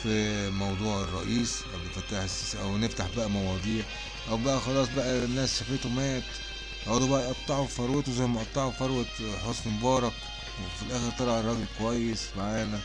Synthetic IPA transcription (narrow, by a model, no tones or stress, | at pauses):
fimɑwd̪ˤuːʕerˤːɑ̰ʔiːsʔæwefæt̪ːaħessʔæwneft̪aħbæʔæmɑwɑːd̪ˤiːʕ | ʔæwbæʔæxɑlɑːsˤbæʔænːæːsːæfet̪omæːt̪ | hɑːd̪ˤubæʔæʔɑt̪ˤːɑʕofɑɾˤwet̪ozæjmæʔɑt̪ˤːɑʕofɑɾˤweħosnmobɑːɾˤɑk | filʔæːxeɾt̪ˤɑɾˤɑʕɑrˤːɑːɡelkowæjːesmaʕaːlæ